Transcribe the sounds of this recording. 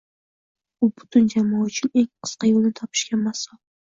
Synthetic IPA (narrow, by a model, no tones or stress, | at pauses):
ʊbʊ̥t̪ʰʊnd͡ʒamɒʊt͡ʃʰɪneŋqʰɨ̥sqɑjolˠnɪt̪ʰɒpʰɪ̥ʃkʲamasɑlˠ